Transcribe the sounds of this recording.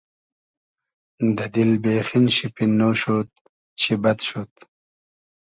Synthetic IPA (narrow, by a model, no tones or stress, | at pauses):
d̪ɐd̪ilbeːxinɕipinːoɕot̪̚ | t͡ɕʰibɐt̪ɕot̪